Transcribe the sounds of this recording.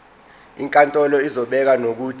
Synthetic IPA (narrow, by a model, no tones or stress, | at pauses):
iŋkʼantʼɔlɔizɔɓɛk̬anok̬uːtʰʼ